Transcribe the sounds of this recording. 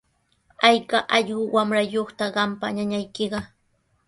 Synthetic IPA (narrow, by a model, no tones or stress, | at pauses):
ajkaʔɑʎɢʊwamɾajoχt̪aɢɑmpaɲaɲajkɪɢɑ